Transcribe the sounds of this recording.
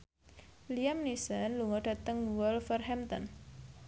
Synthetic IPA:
liamnisənluŋɔɖ̥ä̤t̪əŋwɔlfərɦɛmt̪ɔ̰n

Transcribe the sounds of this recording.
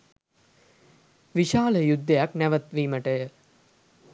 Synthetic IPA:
ʋiʃaːləjud̪ʱːəjaknæʋət̪ʋiːməʈəjə

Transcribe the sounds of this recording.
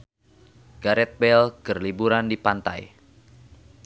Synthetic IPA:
ɡ̥aɾɛt̪̚bɛlɡ̥ərlibuɾandipant̪a̰j

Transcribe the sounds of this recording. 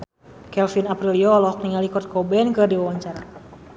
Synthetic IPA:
kɛlfinapɾiliɔlɔɔk̚niŋalikɔt̪̚kɔbɛnkɨrdiwawaɲt͡ʃaɾa

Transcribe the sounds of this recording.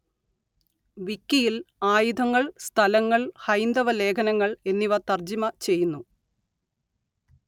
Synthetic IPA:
ʋikːijilaːjud̪ʱɐŋːɐɭst̪ʰɐlɐŋːɐɭhɐjnd̪ɐʋɐle̞ːkʰɐnɐŋːɐɭe̞nːiʋɐt̪ɐrd͡ʑimɐt͡ɕe̞jːunːu

